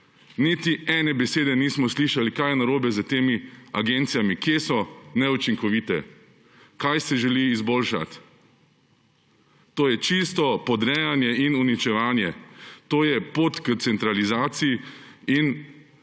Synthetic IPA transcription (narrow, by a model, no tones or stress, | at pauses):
nit̪iɛnɛbɛseːd̪ɛniːsmɔsliːʃalikajɛnaɾoːbɛzat̪eːmiaɡent̪sijamikjesɔnɛut͡ʃiŋkɔʋit̪ɛ | kajsɛʒɛliːzboːlʃa̰t̪ | oːjɛt͡ʃist̪ɔpɔd̪ɾɛːjanjɛinunit͡ʃɛʋaːnjɛt̪oːjɛpot̪kət̪sɛnt̪ɾalizaːt̪sijiin